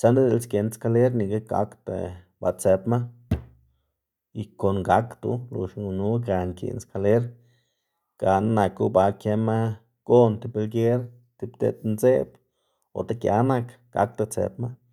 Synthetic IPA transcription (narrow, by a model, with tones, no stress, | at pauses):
t͡ʃa˦nd̪e˦d̪e˧lskʲe˨˧nska˧le˦ɾni˨˧ɡa˦ɡa̰˧˦kt̪a̰˨ | ba˧t͡se˧pma˦ | i˧ko˨nɡa˦kt̪ṵ˧˦lṵ˨ʃŋu˧nu˦ɡa˨ŋkḭ˨nska˧le˦ɾ | ɡ̥a˧nna˨ku˦ba˧kje˧ma˦ | ɡ̥o˦nt̪i˧be˧lɡe˦ɾ | t̪i˧bd̪ḛ˧˨t̪nze˦b | o̰˨t̪a˦kja̰˧˦na˧k | ɡ̥a̰˨˦k̚t̪a˧t͡sḛ˧pma˦